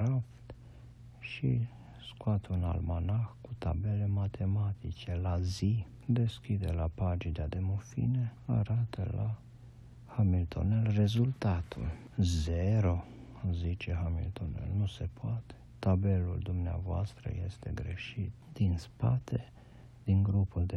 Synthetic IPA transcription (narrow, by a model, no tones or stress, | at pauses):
ɾap̚t̪ | ʃḭ | skoat̪una̰lmanaxkut̪a̰bele̞mat̪ʰemat̪it͡ʃe̞lazi | d̪e̞skʲid̪elapad͡ʒid̪ad̪e̞mufḭnea̰ɾat̪ə̰la | hamilt̪ʰo̰nelre̞zult̪at̪ʰṵl | zeɾo | zit͡ʃehamḭlt̪onḛlnuse̞pʰoat̪e̥t̪abe̞luld̪umnea̰voa̰st̪ɾə̰jest̪e̞̰ɡɾeʃit̪̚d̪̥inspat̪ʰe | d̪iŋɡɾupuld̪e